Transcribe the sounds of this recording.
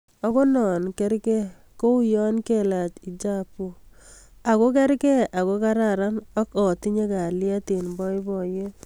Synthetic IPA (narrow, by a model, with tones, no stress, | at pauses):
ɔ˦ko˦nɔ˨nkɛ˦ɾkɛ˦ | ko˦u˦jɔ˦nke˦la˨t͡ʃi˨d͡ʒa˦pu˨ | a˨ko˦k̬ɛ˦ɾkɛ˦ʔa˨ko˦ka˦ɾa˦ɾa˦nɔ˦kɔ˨ti˦ɲe˦ka˨lja˦ti˨nbɔ˦i˦bɔ˨je˦